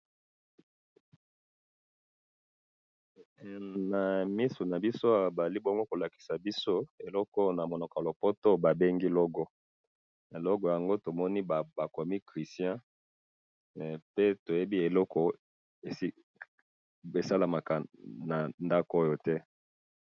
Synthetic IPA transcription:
na˨mi˦su˨na˨bi˦so˦a˦wa˨ba˨a˨li˦bo˦ŋɡo˦ko˨la˨ki̥˨sa˨bi˦so˦e˨lɔ˦kɔ˦na˨mo˨nɔ˨ka˨lo˨po˦to˦ba˨be˦ŋɡi˦lɔ˦ɡɔ˦ | e˨lɔ˦ɡɔ˨ja˨ŋɡo˦to˨mɔ˦ni˦ba˨ba˨ko˨mi˦kʁi˨sjɛ̃˦ | pe˦to˨je˦bi˦e˨lɔ˦kɔ˨ | e˨˦ | e˨sa˦la˨ma˨ka˨na˨nda˦ko˦jo˨tɛ˦

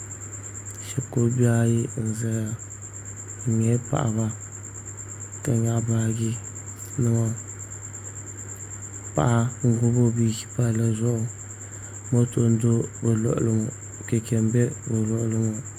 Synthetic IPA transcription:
ʃɛ˨ko˦ba˦ji˦n̩˨zɛ˦ɾa˨ | ɲɛ˦pa̰˨ʔa̰˨βa˦ | ka˨ɲa˦baː˦ɡi˦ | nɨ˦ŋɔ˦ | pa̰˨ʔa˦ŋ̩˨ɡʊ˦bo˦bi˨ki̥˦pa˦la˨zʊ˦ʔʊ˨ | mo˦to˦n˦do˦bɛ˨lɔ̰˦˨ʔlɨ˦mo˨ | kɛ˨kɛ˨m˦bɛ˦bɛ˨lɔ˦˨ʔlɨ˦mɔ˨

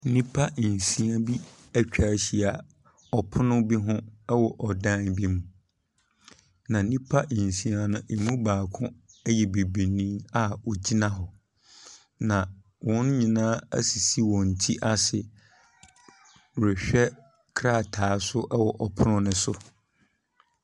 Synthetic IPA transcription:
nĩ˦pʰa˦˨n˨sĩ˨a˦bi˦ | æ˦t͡ɕᶣa˨˦ɕi˨a˨ | ɔ˨pʰʊ˦nʊ̃˦bi˦ɦʊ̃˦wɔ˨ʔɔ˨dã˦nbi˦mũ˨ | nã˨˦nĩ˦pʰa˦˨n̩˨sĩ˨a˨nʊ̃˦ʔmũ˦baː˨kʰʊ̃˦jɛ˨be˨bi˨nĩ˦a˦ɔ˨d͡ʑi˦nã˦ɦɔ˨ | nã˨ | wʔɔ̃˦n˦ɲĩ˨nãː˦æ̰˦si˨si˦wɔ̃˨ɲ̩˨tʰi˦ʔa˦sɪ˨ | ɾɛ˨ɕᶣɛ˦ | kʰɾa˦˨tʰaː˨˦sʊ˦ʔɛ˦wɔ˨ʔɔ˨pʰʊ˦nʊ̃˦nʊ̃˦sʊ˦

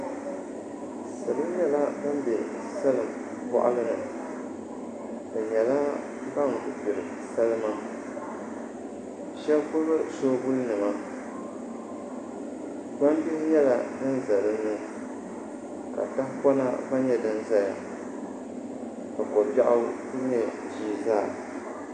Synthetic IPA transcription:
sɨ˨lɨ˦m˦ɲɛ˦la˦bɨ˦mbɛ˨ | sa˦lɨ˨m | pɔ̰˦ʔa̰˦lɨ˦nɨ˨ | dɨ˨ɲɛ˨la˦ | ba˦ŋ˨ʔʊ˨pɪ˨ɾɨ˨ | sa˦lɨ˦ma˦ | ʃɛ˦lkʊ˦ɾba˦so˦bʊ˦lɨ˦nɨ˨ma˦ | ɡ͡ba˦m˦bi˦ɲɛ˦la˨dɨ˦n˦za˨lɨ˦n˦nɨ˦ | ka̰˨ta˦hpɔ˦na˦ba˦ɲɛ˦dɨ˦n˦za˦ja̰˨ | ka˨kɔ˨ba˦ʔa˦ku˦ɲɛ˦˨d͡ʒiː˦˨zaː˦˨

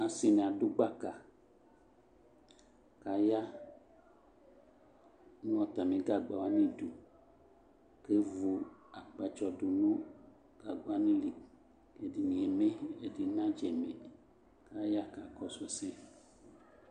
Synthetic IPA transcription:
a˨si˨nẽ˨a˨du˦ɡ͡ba˦ka˨ | ka˨ja˦ | nũ˦ɔ˨t̪a˨mĩ˨ɡa˦ɡ͡ba˨wa˦nĩ˦du˨ | ke˦vu˨a˨k͡pa˨t͡ʃɔ˨du˨nũ˦ | ɡ̥a˨ɡo˨˦a˦nĩ˦li˨ | ke˨di˨ɲĩ˨e˨me˦e˨di˨nã˦d͡ʒe˨me˨ | ka˨ja˦ka˨kɔ˦sɔ˨se˦

